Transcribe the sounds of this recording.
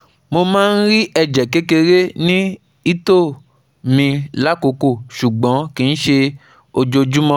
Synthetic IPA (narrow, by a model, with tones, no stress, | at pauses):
mo˧mãː˦n̩˦ɾi˦ɛ˧d͡ʒɛ˨ke˦ke˧ɾe˦nĩ˦ | i˦to˦˨ | mĩ˧la˦˨ko˨˧ko˦˨ʃu˨ɡ͡bɔ̃˨˦kĩ˨˧n̩˦ʃe˧ | o˧d͡ʒo˧d͡ʒũ˦mɔ̃˧˦